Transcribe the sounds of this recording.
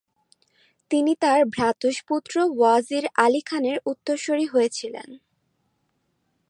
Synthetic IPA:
t̪init̪aɾbʱɾat̪uʃput̪ːɾowaziɾalikʰaneɾut̪ːoɾʃoɾiɦojet͡ɕʰilḛn

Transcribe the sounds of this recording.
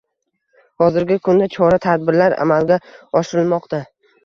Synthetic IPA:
hɒzɪɾɡʲɪkʰʊnd̪at͡ʃʰɒɾat̪ʰad̪̚bɪɾlaɾa̰malɡʲaɒʃɪɾɪlmɒqt̪ʰa

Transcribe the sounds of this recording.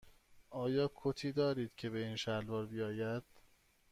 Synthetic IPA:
ʔɒːjɒːkʰot̪ʰiːd̪ɒːɾiːd̪̥cʰe̞βe̞iːnʃælvɒːɾbijɒːjæd̪̥

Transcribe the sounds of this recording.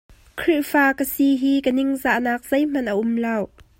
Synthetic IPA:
kʰɾiʔfaːkəsiɦiːkənɪŋzaʔnaːk̚z̥ejm̥ɐnʔəʔʊmlaːw

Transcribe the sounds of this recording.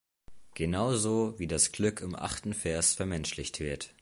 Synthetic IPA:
ɡ̥ənaʊzoːviːdasɡ̥lʏkʰɪmʔa̰χtn̩fɛɐsfɛɐmɛnʃlɪçtv̥ɪɐt

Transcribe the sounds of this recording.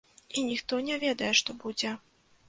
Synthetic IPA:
inʲixt̪ɔnʲɛvʲɛd̪ɐjɛʂt̪ɔbud͡zʲɛ

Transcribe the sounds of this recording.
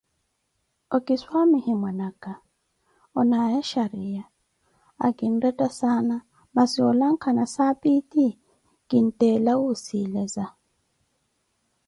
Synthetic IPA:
ɔkiswamihimwanaka | ɔnajaʃaɾija | a̰kin̩rɛtʼasana | masiɔlaŋkʰanasapiti | ɡ̥in̩tɛlawusilɛza

